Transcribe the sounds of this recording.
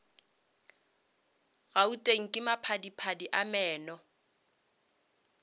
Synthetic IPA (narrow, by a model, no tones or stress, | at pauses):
ɣautʼeŋ̩kʼɪmapʰadipʰadiʔamɛːnɔ